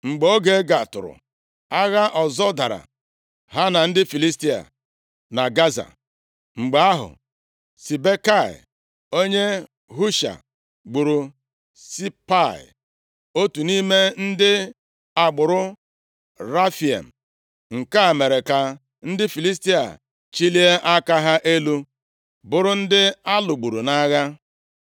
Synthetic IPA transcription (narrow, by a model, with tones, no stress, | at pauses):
ŋ͡m̩˨ɡ͡bo˦ɡe˨˦ɡa˨tʊ̰˨ɾʊ̰˨ | a˦ɣa˦ʔɔ˨zɔ˦da˨ɾa̰˨ | ɦa˦na˨n̩˦dɪ˦fi˨li˦s̬ti˦a̰˨ | na˨ɡa˦za̰˨ | ŋ͡m̩˨ɡ͡ba˨˦a˦ɦʊ̰˨ | si˨be˦ka˦˨ɪ̰˨ | o˦ɲe˦ | ɦu˦ʃa̰˨ | ɡ͡bu˨ɾu˨ | si˦pa˦˨ɪ̰˨ | o˦tu˨ni˦me˦n̩˦dɪ˦ | a˨ɡ͡bʊ˨ɾʊ˦ | ɾa˦fi˨ḛ˨m̩˨ | ŋ̩˨ka˦˨me˨ɾe˨ka˨ | n̩˦dɪ˦fi˨li˦s̬ti˦a̰˨ | t͡ʃi˦li˦e˦ʔa˦ka˦ɦa˦ʔe˦lu˦ | bʊ˨ɾʊ˦n̩˦dɪ˦a˦lʊ˨ɡ͡bu˨ɾu˨na˦ɣa˦